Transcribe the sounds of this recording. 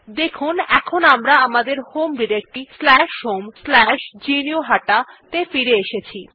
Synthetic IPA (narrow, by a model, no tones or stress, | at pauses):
d̪ekʰunɛkʰonamɾaamad̪eɾhomɖiɾek̚ʈislɛʃɦomslɛʃd͡ʑinioɦaʈat̪efiɾeeʃet͡ɕʰi